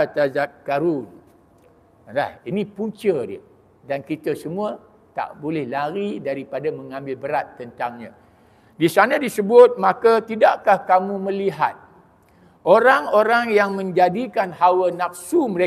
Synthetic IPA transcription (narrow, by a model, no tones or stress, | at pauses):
at̪azat̪̚kaɾun | la̰hinĩpuɲt͡ʃədiə | dankit̪əsəmũə | t̪a̰ʔbolɛhlaɾidaɾipadamə̃ŋãmbɪlbəɾat̪ːənt̪aŋɲã | disanə̃disəbʊt̪̚mãkət̪idaʔkahkamũmə̃liɦa̰t̪̚ | oɾaŋoɾaŋjaŋmə̃ɲd͡ʒadikanhawənafsuməɾe